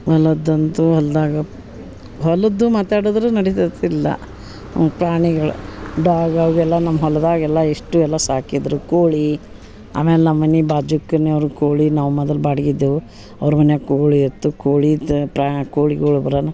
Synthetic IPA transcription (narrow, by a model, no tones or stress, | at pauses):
ɐlɐd̪ɐnt̪uɐld̪aːɡɐ | ɦɔlɐd̪umaːt̪aːɽod̪ɾunɐɽit̪ɐt̪ːilːɐ̰ | pɾaːɳiɡɐɭṵɖaːɡɐʋɡɛlːɐnɐmːɐɦɔlɐd̪aːɡɛlːɐeʂʈuɛlːɐsaːkid̪ɾukoːɭi | a̰ːmeːlenɐmːɐnːibaːd͡ʒukːɐnːeɐʋɾukoːɭinaːʋmɐd̪ɐlbaːɽɐɡid̪ːu | ɐ̰ʋɐɾumɐnːekoːɭiɐt̪ːukoːɭipɾakoːɭiɡɐɭubɐɾɐnu